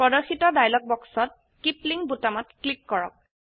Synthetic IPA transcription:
pɔdɔxitɔdajlɔk̚bɔksɔt̚ | kipliŋbutamɔtklikːɔɹɔ̰k̚

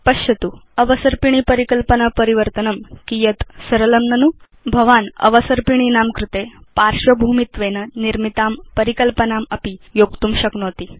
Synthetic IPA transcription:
pɐɕɐt̪uɐʋəsəɾpiɳ̃ipəɾikəlpənapəɾiʋəɾt̪ənɐmkijɐt̪sɐɾɐlɐmnɐnu | bʱɐʋaːnɐ̰ʋəsəɾpiɳ̃inamkɾut̪epaɾʂʋɐbʱumit̪ʋenɐniɾmit̪aːmpəɾikəlpənamɐpijoɡt̪uːmɕɐknoːt̪i

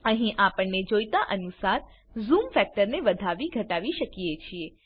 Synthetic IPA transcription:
əɦĩʔapəɳːed͡ʒojt̪aʔənusaɾ | zumfɛk̚ʈəɾneʋəd̪ʱaʋiɡʱəʈaʋiʃəkijet͡ʃʰie

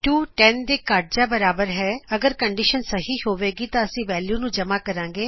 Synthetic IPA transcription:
ʈuːʈɛːnd̪eːkaːʈ̚d͡ʒaːbəɾaːbəɾɦɛːəɡəɾkəɳɖiːʃənsəɦiːɦoːʋeːɡiːt̪ãːəsĩːʋɛːljuːnũːd͡ʒəmaːkəɾãːŋɡeː

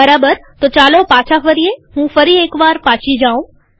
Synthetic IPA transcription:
əɾaːbəɾt̪ot͡ʃaːlopaːt͡ʃʰafəɾieɦũfəɾieːkʋaːɾpaːt͡ʃʰid͡ʒaũ

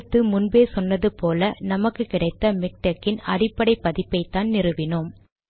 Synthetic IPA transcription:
t̪ːɯmʊnbeːsɔnːɐðɯpoːlɐnɐmɐkːɯkɪɽɐɪt̪ːɐmɪk̚ʈɐkːɪnɐɽɪpːɐɽɐɪpːɐðɪpːɐɪt̪ːaːnnɪrɯʋɪnɯm

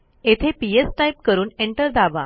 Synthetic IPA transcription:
et̪ʰepiesʈajp̚kəɾuːneɳʈəɾd̪aʋa̰

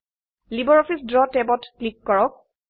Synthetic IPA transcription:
libɔɹɔfʰisdɹɔtɛbɔtklikːɔɹɔk̚

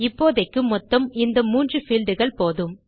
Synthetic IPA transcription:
ɪpːoːðɐɪkːɯmɔt̪ːɐmɪnd̪ɐmuːndrɯfɪlɖɯɣɐɭpoːðɯm

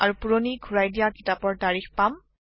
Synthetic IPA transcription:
aɹupuɹoniɡʱuɹajdijakitapɔɹtaɹixpam

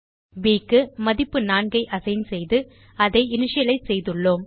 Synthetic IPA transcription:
ʋiːkːɯmɐðɪpːɯnaːɳɡɐɪʔɐsɐjnsɛjðɯ | ɐðɐɪɪnɪʂɐjɐlɐɪsɛjðɯɭːoːm

